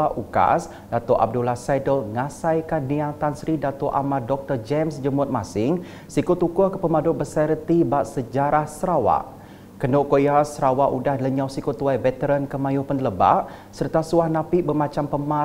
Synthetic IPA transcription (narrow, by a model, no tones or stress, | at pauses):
aʔuka̰s | dat̪ɔʔa̰b̚dulahsajdəlŋasajkanniat̪ansɾidat̪ɔʔa̰madɔk̚t̪ərd͡ʒɛmsd͡ʒəmʊt̪̚masɪŋ | sikot̪ukokə̥pəmadʊbəsaɾət̪ibaʔsəd͡ʒaɾahsəɾawa̰ʔ | kənoʔkojasəɾawaʔudahləɲawsikot̪uajvɛt̪əɾənkəmãjʊhpənələba̰ʔ | sərt̪asuahnãpiʔbərmãt͡ʃampəma